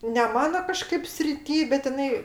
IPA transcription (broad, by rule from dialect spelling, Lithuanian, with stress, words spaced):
nʲɛ ˈmɑːnoː kɐˈʃkɐɪp sʲrʲɪˈtʲiː bʲɛt ɪˈnɐɪ